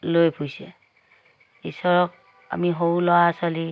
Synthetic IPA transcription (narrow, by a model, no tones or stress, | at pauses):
lojpʰujsɛ | isɔɹɔk̚ | a̰miɦowlɔwasɔli